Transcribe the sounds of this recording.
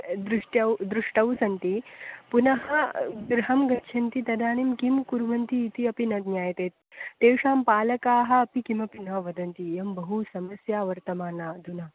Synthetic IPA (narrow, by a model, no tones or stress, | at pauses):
d̪ɾuʂʈɐwd̪ɾuʂʈɐwsɐnt̪ipunɐɦɐɡɾɐɦɐmɡɐtːʃʰɐnt̪it̪ɐd̪aːnimkimkuɾʋɐnt̪iːt̪iɐpinɐd̪nʲjaːjɐt̪eːt̪ːeːwʂaːmpaːlɐkaːɦɐ̆ːpikimɐpinɐʋɐd̪ɐnt̪ijɐmbɐɦusɐmɐsjaːʋɐɾt̪ɐmaːnaːd̪ʱunɐ